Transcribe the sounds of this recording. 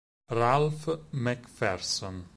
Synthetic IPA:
ɾalfmɛkfɛɾsɔn

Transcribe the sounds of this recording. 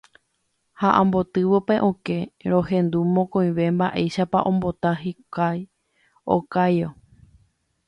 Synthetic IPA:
haʔãmbo̞t̪ɨʋopeʔõke̞ɾo̞hẽ̞nd̪umõ̞kõ̞j̃ʋe̞mbaʔe̞jʃapaʔõ̞mbo̞t̪aɦikaj | o̰kajo

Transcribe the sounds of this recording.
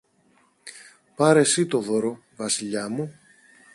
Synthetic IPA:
pɐɾe̞sit̪o̞ðoɾo | vɐsiʎɐmu

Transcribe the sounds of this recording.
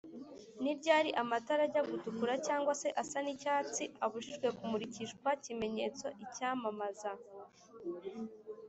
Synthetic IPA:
niɾɟaːɾiʔamataɾaɟaɡutukuɾacaːŋɡwase̞ʔasanicaːt͡siaβuʒiʒɡwe̞kumuɾiciʃkwacime̞ɲe̞ːt͡so̞ʔicaːmamaza

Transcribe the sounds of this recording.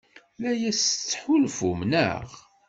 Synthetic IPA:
læjæst͡sːħulfumnə̰ʁ

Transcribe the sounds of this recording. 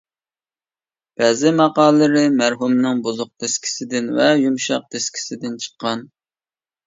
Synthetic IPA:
b̥ɛːzɪmɑqɑːllːɨɾɨmæɾɦumnɨŋbozʊq̚t̪ʰeskʲʰi̥sɪd̪ɪnvɛjumʃɑq̚t̪ʰeskʲʰi̥sɪd̪ɪnt͡ʃʰə̥qʰːɑn

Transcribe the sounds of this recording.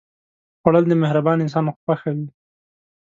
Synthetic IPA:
xaɽəld̪əmɪhɾabɑnɪns̬ɑnxpaxawi

